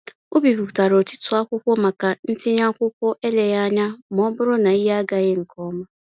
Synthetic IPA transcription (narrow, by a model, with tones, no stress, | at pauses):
o˦bi˨bu˨ta˨ɾo˨ti˦tʊ˨a˦kʷʊ˦kʷʊ˦ma˨ka˨n̩˦tɪ˦ɲa˦kʷʊ˦kʷʊ˦ʔe˦le˨ja˦ɲa˦mɔ˦bʊ˦ɾʊ˦na˨i˦ɦa˦a˦ɡa˨ɣɪ˦ŋ̩˨kɔ˦ma˦